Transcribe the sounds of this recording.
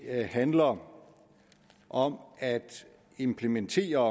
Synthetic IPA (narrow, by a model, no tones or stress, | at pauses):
hænlɐ | ʔɒ̽mæd̥ | e̝mpʰlement͡sʰe̝̰ːɐ